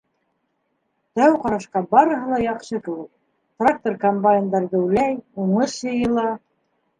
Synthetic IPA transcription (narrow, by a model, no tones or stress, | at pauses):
t̪æwqɑɾɑʃqɑbɑɾɤ̆ɦɤlˠɑjɑqʃɤkɘ̆wɘk̚ | t̪rak̚t̪orkombaɪnd̪ɑɾðɘlæjuɴɤʃjɤ̆jɤ̆lˠɑ